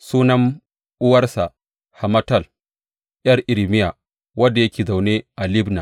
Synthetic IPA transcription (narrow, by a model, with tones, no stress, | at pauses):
suː˦nɐ˦ŋ | ʔʊ˦wɐ˦rsa˨ | ha˨mɐ˦tɐ˦˨l | jɐ˦rʔɪ˨lmɪ˦ja˨ | wɐ˦dːa˨jɐ˦kʲeː˨za˨wne˦ʔa˨lɪ˦bna˨